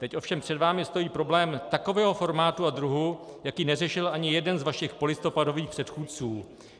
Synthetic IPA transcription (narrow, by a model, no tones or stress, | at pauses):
t̪ɛcʔo̞fʃɛmpr̥ɛdvaːmɪst̪o̞jiːpɾo̞blɛːmt̪ako̞vɛːɦo̞fo̞ɾmaːt̪uad̪ɾuɦujakiːnɛrɛʃɪlʔaɲɪjɛdɛnzvaʃɪxpo̞lɪst̪o̞pado̞viːxpr̥ɛt̪xuːt̪t͡suː